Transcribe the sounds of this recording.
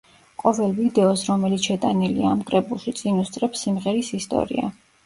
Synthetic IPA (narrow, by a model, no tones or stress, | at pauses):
qʼɔvɛlˠvid̪ɛɔsɾɔmɛlit̪sʃɛt̪ʼaniliamkʼɾɛbulˠʃit̪sʼinust̪sʼɾɛpsimʁɛɾisist̪ʼɔ̰ɾḭa̰